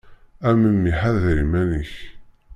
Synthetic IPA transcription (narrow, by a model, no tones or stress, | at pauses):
æməmːiħaðɾimænəç